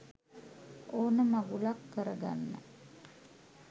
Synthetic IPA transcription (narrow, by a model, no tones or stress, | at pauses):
oːnəmaɡulakːəɾəɡa̰nːə̰